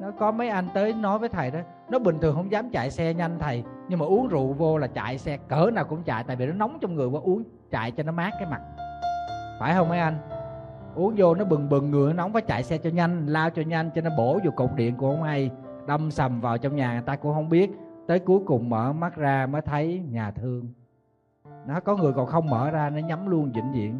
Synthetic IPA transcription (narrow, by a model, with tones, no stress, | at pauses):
nɔ˨˦kɔ˨˦mə˨˦jʔa˧jŋ̟t̪əː˨˦jnɔ˨˦jvəː˨˦jt̪ʰə˨˩jɗɔ˨˦ | nɔ˨˦ɓï˨˩ŋ̟t̪ʰɨ˨˩ŋhə˧wŋ͡mzaː˨˦mt͡ɕa̰ː˧˨jsɛ˧ɲa˧jŋ̟t̪ʰə˨˩jɲɨ˧ŋmaː˨˩ʔu˨˦əŋzṵ˧˨vo˧laː˨˩t͡ɕa̰ː˧˨jsɛ˧kəː˧˩˦naː˨˩wkʊ̰˧˥ŋ͡mt͡ɕa̰ː˧˨jt̪aː˧˨jvi˨˩nɔ˨˦nɔ˨˦wŋ͡mt͡ɕɔ˧wŋ͡mŋɨ˨˩əjvɔː˧˦ʔu˨˦əŋ | t͡ɕa̰ː˧˨jt͡ɕɔ˧nɔ˨˦maː˦˥kːaː˨˦jma˨˩t̚ | faː˧˩jhə˧wŋ͡mmə˨˦jʔa˧jŋ̟ | ʔu˨˦əŋzo˧nɔ˨˦ɓɨ˨˩ŋɓɨ˨˩ŋːɨ˨˩ənɔ˨˦na˨˦wŋ͡mfaː˨˦jt͡ɕa̰ː˧˨jsɛ˧t͡ɕɔ˧ɲa˧jŋ̟laː˧wt͡ɕɔ˧ɲa˧jŋ̟t͡ɕɔ˧nɔ˨˦ɓo˧˩zo˨˩kːo̰˧˨wŋ͡m̚ɗḭ˧˨ənku˧˩əhə˧wŋ͡mha˧j | ɗə˧wŋ͡msə˨˩mvaː˨˩wt͡ɕɔ˧wŋ͡mɲaː˨˩ŋaː˨˩jt̪aː˧kʊ̰˧˥ŋ͡mhə˧wŋ͡mɓi˦˥ət̚t̪əː˨˦jku˨˦jkʊ˨˩ŋ͡mməː˧˩ma˦˥t̚zaː˧məː˨˦jt̪ʰə˨˦jɲaː˨˩t̪ʰɨ˧əŋ | nɔ˨˦kɔ˨˦ŋɨ˨˩əkɔ̰˧˨nxə˧wŋ͡mməː˧˩zaː˧nɔ˨˦ɲa˨˦mlu˧ənzḭ˧˩nzḭ˧˨ən